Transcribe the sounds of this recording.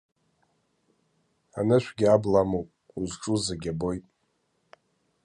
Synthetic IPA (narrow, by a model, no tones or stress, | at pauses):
a̰nɨʃʷʰɡʲiablamowpʼ | uzʈ͡ʂʼuzaɡʲabo̞jtʼ